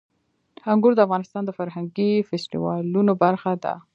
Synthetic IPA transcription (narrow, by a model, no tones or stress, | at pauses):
haŋɡuɾd̪əafɣɑnɪst̪ɑnd̪əfaɾɦaŋɡifɛsʈḭwɑ̰lunobaɾxad̪a̰